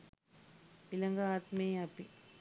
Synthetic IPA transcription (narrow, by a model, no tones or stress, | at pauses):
ɪlɐŋɡaaːt̪meːɐpi